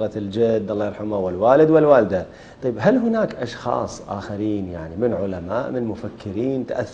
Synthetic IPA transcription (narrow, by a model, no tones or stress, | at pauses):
ɣɑt̪ld͡ʒɪd̪ːʔɑlˤːɑːjɾħamawɪlwaːlɪd̪wɪlwaːld̪a | t̪ˤɑjbɦalɦʊnaːkʔɑʃxɑ̰ːsˤʔa̰ːxaɾiːnjaʕnimɪnʕʊlama̰ːʔmɪnmʊfakʰːɪɾiːnt̪aʔaθː